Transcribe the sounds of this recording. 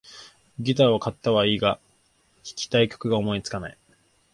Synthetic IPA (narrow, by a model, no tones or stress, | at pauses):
ɡʲit̪aβakat̪ːaβaiːɡa | çʲi̥kʲi̥t̪aikʲo̞̥kɯ̟ɡaomo̞it͡sɨ̥kanai